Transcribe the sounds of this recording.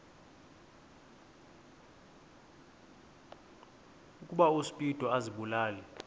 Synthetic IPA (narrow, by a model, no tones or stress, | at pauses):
ukʼuɓausi̥pʼid̥ʱɔaziɓulaːlɛ